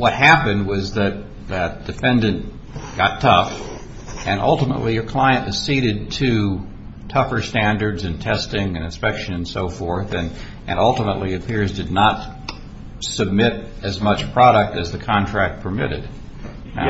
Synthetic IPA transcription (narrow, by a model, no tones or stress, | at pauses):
wʌt̚hæpɨ̃nd̚wʌzðɨt̪̚ | ðɨd̥ɨfɛ̃ndɨ̃n | ɡ̥ɑtʰʌf | ɨ̃nʌ̰lˠtəmə̰ʔlijə˞kʰl̥aɪɨ̃nʔwʌz̥siɾɨd̚tʰɨ | tʰʌfə˞stæ̃ndə˞dzɨ̃ntʰɛstɪ̃ŋɨ̃nɨ̃nspɛkʃɨ̃nɨ̃nsoʊfɔɹθɨ̃n | ʔɨ̰̃ɾʌlˠtəməʔˡliɨpʰɪɹzdɨdⁿnət̚ | sɨb̚mɪɾ | ɨzmʌt͡ʃpʰɹ̥ɑɾɨk̚tɨzðɨkʰɑ̃ntʰɹ̥æk̚t̚pʰə˞mɪ̰ɾɨ̰d̥